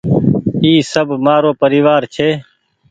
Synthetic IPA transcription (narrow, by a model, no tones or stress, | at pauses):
iːsəbʱmaːɾoːpəɾiːʋaːɾt͡ʃʰeː